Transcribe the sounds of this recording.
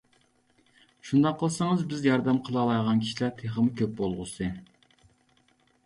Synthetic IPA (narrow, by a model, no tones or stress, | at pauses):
ʃund̪ɑqʰːəlˠsɨŋəzbɪzjɑɾd̪ɛmqʰəlˠɑlˠɑjʁɑnkʲʰi̥ʃilæɾt̪ʰeχəmɨkʲʰøp̚bolˠʁʊ̰sɨ